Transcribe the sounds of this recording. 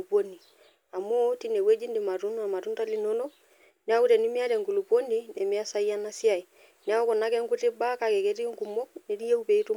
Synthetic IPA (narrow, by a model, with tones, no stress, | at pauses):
po˦ni˨ | a˨mo˦ti˦nɛ˨we˦d͡ʒi˦ndi˨ma˨ɾu˦na˨ma˨tu˦nta˦li˦no˦nɔ˦ | nɛ˦a˦u˦ɾɛ˨ni˦mi˦a˦ɾɛ˨ŋɡu˨lu˨po˦ni˦nɛ˨mi˦a˦sa˦ja˦na˦si˦a˨i˨ | n˦a˦ɔ˦kɔ˨na˦kɛ˦ŋɡu˦ti˦ba˦ka˨kɛ˨ke˦ti˦ŋku˨mɔ˦ne˨˦di˦je˦u˦pe˨i˦tu˦